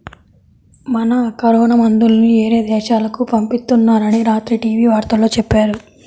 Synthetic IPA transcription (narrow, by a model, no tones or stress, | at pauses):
mɐnɐkɐɾɔːnɐmɐnd̪ulɐnieːɾeːd̪ɛːʃaːlɐkupɐmpist̪unːaːɾɐniɾaːt̪ɾiʈiːʋiːʋaːɾt̪ɐlo̞ːt͡ʃɛpːaːɾu